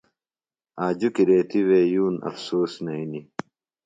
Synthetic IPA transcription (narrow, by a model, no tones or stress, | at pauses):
aːd͡ʑukiɾeːt̪iweːjuːnɐ̰fsuːsnɐini